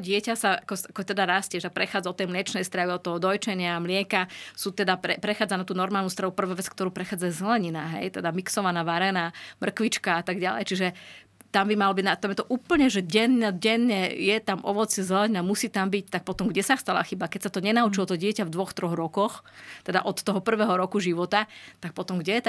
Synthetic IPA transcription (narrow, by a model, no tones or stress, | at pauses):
ɟɪɛcasaakɔakɔɛt̪ɛd̪aɾasciɛʃt̪ak̚pɾɛxaːd͡zaɔt̪ːɛjmlɪɛt͡ʃnɛjst̪ɾaʋiɔt̪ːɔɦɔd̪ɔjt͡ʃɛɲɪamlɪɛkasuːt̪ɛd̪apɾɛpɾɛxaːd͡zanat̪uːnɔɾmaːlˠnuːst̪ɾaʋupr̩ʋaːʋɛt͡skt̪ɔɾuːpɾɛxaːd͡zajzɛlɛɲinaɦɛ̰jt̪ɛd̪amiksɔʋanaːʋaɾɛnaːmr̩kʋit͡ʃkaat̪aɡɟalɛ̰jt͡ʃiʒɛ | t̪ambimalɔbiɟnat̪amjɛt̪ɔʔuːpl̩ɲɛʒɛɟɛnɲɛɟɛnɲɛjɛt̪amʔɔ̰ʋɔt͡szɛlɛɲinamusiːt̪ambic̚t̪ak̚pɔt̪ɔmɡɟɛsaxst̪ala̰xibakɛcsat̪ɔɲɛnaut͡ʃilɔt̪ɔɟɪɛcavd̪ʋɔxt̪ɾɔɣɾɔkɔxt̪ɛd̪a̰ʔɔt̪ːɔɦɔpr̩ʋɛːɦɔɾɔkuʒiʋɔt̪at̪ak̚pɔt̪ɔmɡɟɛjɛt̪